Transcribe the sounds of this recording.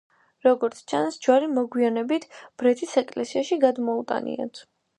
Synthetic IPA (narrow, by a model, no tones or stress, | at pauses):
ɾɔɡɔɾt̪sʰt͡ʃʰansd͡ʒwaɾimɔɡwianɛbit̪ʰb̥ɾɛt̪ʰisɛkʼlɛsiaʃiɡad̪mɔut̪ʼa̰nḭa̰t̪ʰ